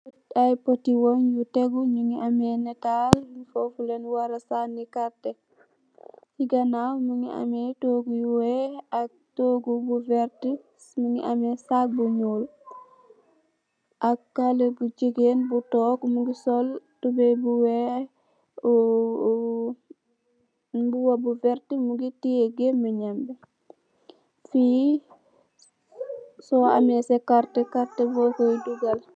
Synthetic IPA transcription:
ajpotiwɔnjutɛɡuɲuŋiʔamɛnetalnifofulenwaɾasanːikatɛ | jiɡɐnamuŋḭa̰mɛtoːɡujuwɛak̚toːɡubuvɛɾti | sməŋḭʔamɛsak̚buɲuːl | ʔakːalebud͡ʒiɡenbutɔːkmuɡisoltubebuwe | buwabuvɛɾtimuɡitieɡeməɲɛmbɛ | fi | sɔa̰mesekaɾtekaɾtebɔːkojduɡɐl

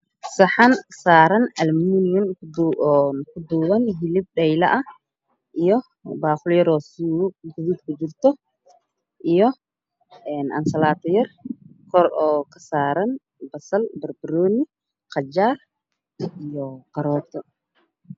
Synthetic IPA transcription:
sɐħansaːɾɐnɐlminijʊn | kʰʊd̪uːwɐnɦɪlɪb̚ɖɛjlɐʔɐ | ʔijɔ | baːχʊljɐɾɔːsɡʊðid̪kʰʊt͡ʃɪrt̪ʰɔ | ʔijɔ | ɛːnʔɐ̰nsɐlaːt̪ʰɔjɐrkʰɔɾɔːkʰɐ̥saːɾɐn | bɐsɐlbɐrbɪɾɔːni | qɑd͡ʒaːr | ijɔqɐɾɔːt̪ʰɔ

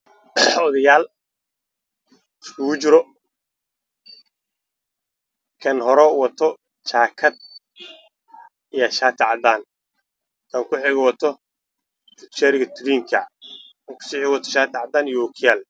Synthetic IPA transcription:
ɔðɐjaːl | ɪskʰʊɣʊt͡ʃɪɾɔ | kʰɐnɦɔɾɛwɐt̪ʰɔ | t͡ʃʰaːkʰɐd̪̚ | ijɐʃaːt̪ʰɪʕɑd̪aːn | kʰɐŋkʰʊħɪɣɛwɐt̪ʰɔ | fɪt͡ʃɛɾɪɣɐt̪ʰʊɾiːŋkʰɐ | kʰɐŋkʰʊ̥siːħɪwɐt̪ʰɔʃaːt̪ʰɪʕɑd̪aːnijɔːkʰɪjaːl

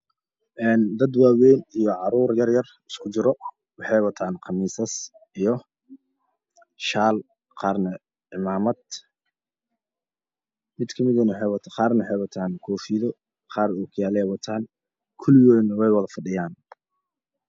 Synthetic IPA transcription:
ʔɛːnd̪ɐd̪waːwɛjnijɔʕɑɾuːrjɐrjɐr | ɪskʰʊt͡ʃɪɾɔ | wɑħɛjwɐt̪ʰaːnqɑmiːsɐs | ijɔ | ʃaːl | qɑːrnɐ | ʕɪmaːmɐd̪ | mɪd̪kʰɐmɪðɐnɐwħɛjwɐt̪ʰqɑːrnɐħɛjwɐt̪ʰaːnkʰɔːfiːðɔ | qɑːrɔːkʰjaːlɛwɑt̪ʰaːn | kʰʊlɪwɛjnɐwɛjwɐðɐfɐɖɪjaːn

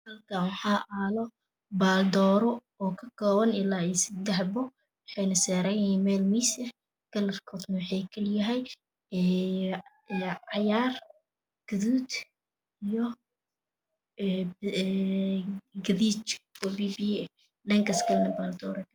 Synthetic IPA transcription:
hɐlkʰawɑħɑːʔaːlɔ | baːld̪ɔːɾɔ | ɔːkʰɐkʰɔːwɐnɪlaːisɪd̪ɛħbʊ | wɑħɑjnɐsɛːɾɛjnɐhiːnmɛːlmisɐ | ɡ̥ɐlɐrkʰɔd̪nɐwɑħɑjkʰɐljɐɦɛj | ɛ | ɛʕɑjaːr | ɡ̥ɐðuːd̪ | ijɔ | ɡɐðiːt͡ʃʰɔbiːbiɛ | ɖɐŋkɐsɡɐlnɐbaːld̪ɔːɾɛkʰɐ

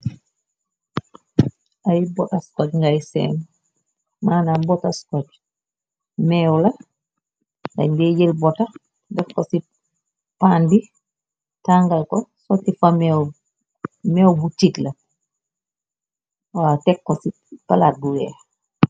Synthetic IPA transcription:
ajbɔtaskatŋɡajsɛ̰ːm | maːnabɔtaskat | mɛwla | ŋa̰ndɛjɛlbɔta | dɛfkːɔsi | pandi | taŋɡalkɔsɔtifamɛw | mɛwbutitla | watɛkːɔsi | palat̚bulɛ̰

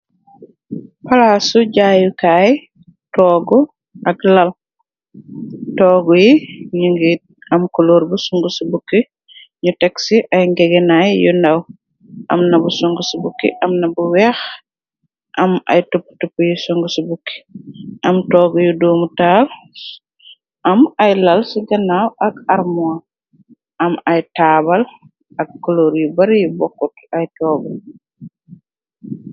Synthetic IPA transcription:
palasuɟaːjukaːj | tɔːɡɔ | ʔɐklɐl | tɔːɡujiɲuŋɡit̚ɐmkɔloːɾbusuŋɡusubukːi | ɲutɛksiʔɐjŋɡɛɡɛnajjundaw | ʔɐ̰mnɐbusɔŋɡusubukːḭʔɐmnɐbuwɛːx | ʔɐmɐ̰jtopːtɔpːujusɔŋɡusibukːi̥ɐmtɔːɡjudoːmutaːl | ʔɐmɐjlɐlsiɡɐnawɐkaɾmua | ʔɐmɐjtaːbɐl | ɐkːɔloɾjubɐɾjubɔkːɔtɐjtɔːɡu

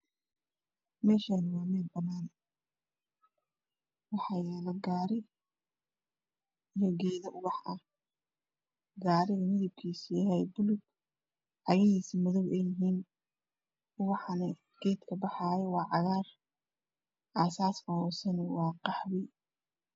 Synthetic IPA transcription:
mɛːʃaːnɪwɑːmɛːd̪bɐnaːn | wɑħɑːjɛːlɐɡaɾɪ | jɔɡɛːðɐʔʊβɑħɐ | ɡaːɾɪɣɐmɪðɪb̚kʰiːsijɦɛjbʊlʊɡ | ʕɑjɐhiːsimɔðɔwɛjɪɦiːn | ʊβɑħnɐ | ɡ̥ɛːd̪kʰɐbɑħɑːjɛwɑːʕɑɣaːr | ʔaːsaːsɐhɔːsɛnɛwɑːqɑħβɪ

